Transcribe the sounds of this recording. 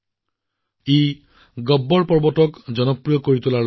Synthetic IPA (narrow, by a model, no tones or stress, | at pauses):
e | ɡɔbːɔɹpɔɹbɔtɔkd͡ʒɔnɔpɹijɔkoɹit̪ula